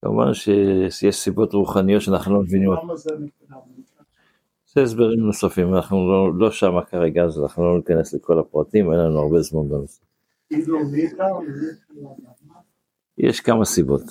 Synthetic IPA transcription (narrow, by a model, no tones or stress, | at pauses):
ka̰mṵva̰nʃejeʃsibo̞tʁuχanijotːʃeanaχnulo̞mevinim | z̥eesbeʁimnosafimanaχnulolo̞ʃamakaʁeɡazanaχnulo̞nikane̞sleko̞lapʁatime̞nlanuaʁbe̞zmanbenosa | jḛʃkamasibo̞t